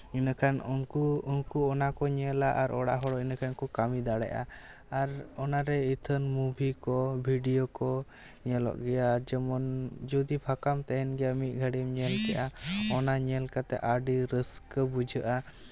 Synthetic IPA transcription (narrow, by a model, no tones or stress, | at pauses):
inakʰanunkuunkuɔnakɔɲɛlaʔaɾɔɽa̰ʔɦɔɽɔinakʰankɔkamid̪aɽɛ̰ʔa̰ː | ɾɔnaɾɛit̪ʰənmubʱikɔbʱiɖijɔkɔ | ɲɛlɔ̰ʔɡɛjad͡ʒɛmɔnd͡ʒɔd̪ipʰakamt̪ɛɦɛnɡɛamit̪̚ˀɡʱaɽimɲɛlt̪ɛʔaɔnaɲɛlkat̪ɛ̰ʔaɖiɾəskəbud͡ʒʱəʔa